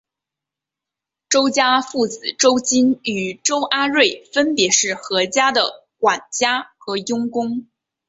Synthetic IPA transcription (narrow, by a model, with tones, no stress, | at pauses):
ʈ͡ʂo˥ʊt͡ɕja˥fu˥˩t͡sɹ̩˨˩ʈ͡ʂo˥ʊt͡ɕi˥ny˨˩ʈ͡ʂo˥ʊʔa˥ɻwe˥˩ɪfə˥npjɛ˧˥ʂɻ̩˥˩xɤ˧˥t͡ɕja˥d̪ə˨ | kwa˨˩nt͡ɕja˥xɤ˧˥jʊ˥ŋkʊ˥ŋ